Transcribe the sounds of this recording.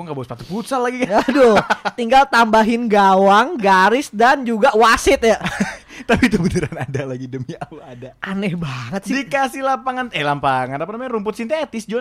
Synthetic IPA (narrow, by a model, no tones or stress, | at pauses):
kuŋɡaʔbasə̥pat̪ʊ̥t̪̚put̪salaɡikaadot̪iŋɡalt̪ambaɦɪnɡawaŋɡaɾɪsdand͡ʒuɡawasɪt̪̚jat̪apit̪ubənəɾanadalaɡidəmauadaʔanɛhbaŋət̪sidikasɪlampaŋanɛlampaŋanapanamaɲanɾumpʊt̪sint̪et̪ɪsd͡ʒɔn